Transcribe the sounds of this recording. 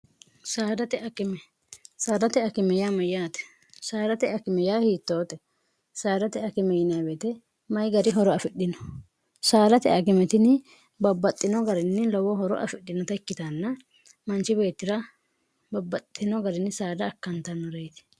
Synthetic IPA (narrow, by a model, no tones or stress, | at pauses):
saːd̪ɐt̪ɛɐkɪmɛ | saːd̪ɐt̪ɛɐkɪmɛjaːmɐjaːt̪ɛ̥ | saːd̪ɐt̪ɛɐkɪmɛjaːhiːt̪ːoːt̪ɛ | saːd̪ɐt̪ɛɐkɪmɛjɪnabet̪ɛ | mɐjɡɐɾɪɦɔɾɔɐfɪɗɪnɔ̥ | saːd̪ɐt̪ɛ̰ʔɐkɪmɛt̪ɪnɪ | bɐbːɐt̪ʼːɪnɔɡɐɾɪnːɪlɔwɔɦɔɾɔ̰ʔɐ̰fɪɗːɪnɔt̪ɐɪkːɪt̪ɐnːɐ | mɐnt͡ʃɪbe̞ːt̪ːɪɾɐ | bɐbːɐt̪ʼːɪnɔɡɐɾɪnːɪsaːd̪ɐːkːɐnt̪ɐnːɔɾejt̪ɪ̥